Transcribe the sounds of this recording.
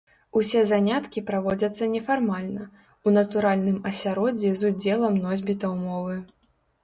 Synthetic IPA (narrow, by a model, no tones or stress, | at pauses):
usʲɛzanʲat̪kʲipɾavɔd͡zʲɐt̪sːɐnʲɛfarmalʲnɐ | unɐt̪uɾalʲnɨmɐsʲaɾɔd͡zʲɛzud͡zʲɛlˠɐmnɔzʲbʲit̪ɐwmɔvɨ